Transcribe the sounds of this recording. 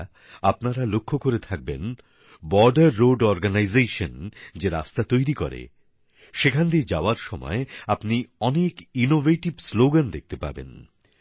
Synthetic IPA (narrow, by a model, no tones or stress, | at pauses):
ap̚naɾalokʰːokoɾet̪ʰak̚bḛn | bɔɾɖaɾːoɖɔɾɡanajzejʃond͡ʑeɾa̰st̪at̪ojɾikɔ̰ɾḛ | ʃekʰand̪id͡ʑaoaɾʃɔmɔ̰eapniɔnekinoveʈibsloɡand̪ek̚ʰt̪epa̰bḛn